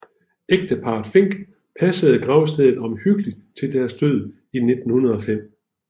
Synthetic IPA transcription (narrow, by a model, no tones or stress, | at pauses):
eɡ̥̚d̥əpʰɑ̈ːd̥fe̝ŋ̰ɡ̥ | pʰæsəð̞̩ˠɡ̥ʁaʊsd̥eðˠð̩ˠɒ̽mhyɡ̥əlid̥̚t͡sʰe̝ld̥æɐsd̥øð̰ˠ | ine̝d̥n̩hunɐð̞̩ˠɒ̽fem̰